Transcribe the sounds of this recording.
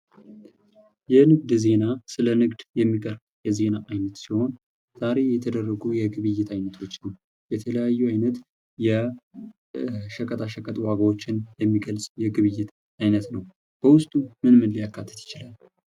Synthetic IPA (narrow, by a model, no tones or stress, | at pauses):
jɛnɨɡ̚d̪ze̞nasɨlənɨɡd̪jɛmːikʼəɾb | jɛze̞naʔajnət̪siho̞n | z̥aɾe̞jɛt̪ʰəd̪ərːəɡujɛɡɨβɨjːɪt̪ajnət̪ʰo̞t͡ʃːnəw | jɛt̪ʰələjajːuajnət̪ | jɛ | ʃəkʼət̪ʰʼaʃəkʼət̪ʼwaɡawo̞t͡ʃːɪnjɛmːiɡəlsʼjɛɡɨβɨjːɪt̪ | ajnət̪nəw | b̥əwʊst̪ʼumɨnmɨnlijakːat̪ʰːə̥t̪jɪ̥t͡ʃɪlal